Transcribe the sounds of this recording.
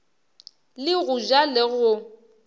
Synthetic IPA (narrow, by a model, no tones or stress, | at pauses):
lɪɣʊd͡ʒalɪɣʊ